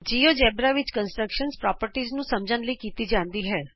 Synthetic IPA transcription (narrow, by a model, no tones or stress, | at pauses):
d͡ʒiːoːd͡ʒɛːbɾaʋɪt͡ʃkənsʈɾəkʃənspɾɔːpəɾʈiːznũːsəmd͡ʒənləikiːt̪iːd͡ʒãːnd̪iːɦɛː